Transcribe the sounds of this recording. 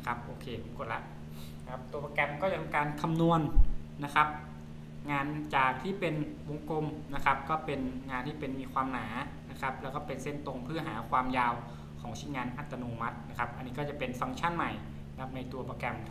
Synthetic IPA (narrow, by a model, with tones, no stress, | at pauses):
kʰa˦˥p̚ʔoː˧˩kʰeː˧sa˩˦mku˧˩t̪la̰˦˥ʔ | nkʰa˦˥p̚t̪u˧ɐpɔː˧kɛ˧mkɔː˥˩t͡ɕa˨t̪ʰa˧kaː˧nkʰa˧mnu˧ənna˦˥kʰa˦˥p̚ | ŋaː˧nt͡ɕaː˨˩k̚t̪ʰiː˥˩pe˧nwo˧ŋko˧mna˦˥kʰa˦˥p̚kɔː˥˩pe˧nŋaː˧nt̪ʰiː˥˩pe˧nmiː˧kʰwaː˧mnaː˩˦ | na˦˥kʰa˦˥p̚lɛː˦˥wkɔː˥˩pe˧nse˥˩nt̪o˧ŋpʰɯ˥˩ɐɦa̰ː˩˦kʰwaː˧mjaː˧w | kʰɔː˩˦ŋt͡ɕʰiː˥˩ŋaː˧nʔa˨˧˩t̪ːa˧noː˧ma˦˥t̪̚na˦˥kʰa˦˥p̚ʔa˧nːiː˦˥kɔː˥˩t͡ɕa˨˩pe˧nfa˧ŋt͡ɕʰa˥˩˨nma˨˩j | kʰa˦˥p̚na˧jt̪u˧ɐpɔː˧˩kɛ˧m